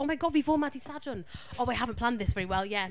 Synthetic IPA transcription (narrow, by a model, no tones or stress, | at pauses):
oʊmaɪɡɔd̚wivɔːmadisad͡ʒə̃noaɪɦavə̃npʰl̥ãnd̪ðɪsvɛɹiwɛlˠjæ